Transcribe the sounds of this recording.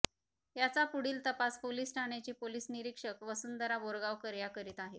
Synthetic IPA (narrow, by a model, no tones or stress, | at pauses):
jat͡sapuɽiːlt̪əpaspoliːsʈʰaɳ̃at͡ɕipoliːsniɾikʂəkʋəsund̪əɾaboɾɡaʋkəɾjakəɾiːt̪aɦe